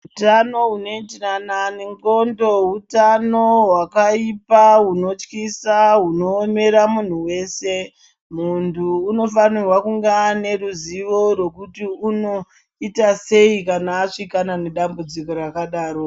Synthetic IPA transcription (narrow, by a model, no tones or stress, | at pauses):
utano̞ɦuno̞itirananeŋɡo̞ndo̞ɦutano̞wakaipauno̞t͡ʃkisaɦuno̞ːme̞ɾamun̤uwe̞ːse̞ | muntʰuːno̞fanirwakuŋɡane̞ruziʋo̞rwo̞kutiuno̞ | itase̞ikanaːʂikanane̞ɗambud͡ziko̞ɾakaɗaːɾo̞